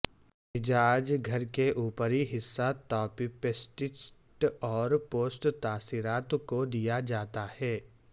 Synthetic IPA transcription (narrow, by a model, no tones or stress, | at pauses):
ɪd͡ʒaːd͡ʒɡʱɐɾkeʔuːpəɾiɦɪsːat̪ɔːpipesʈɪt͡ʃʈɔːɾpoːsʈt̪aːsiːɾaːt̪kod̪ijad͡ʒaːt̪ahɛː